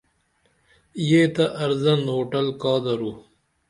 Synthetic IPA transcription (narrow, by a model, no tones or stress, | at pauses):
jet̪ɐʔɐɾzɐnoːʈɐlkɑːd̪ɐɾu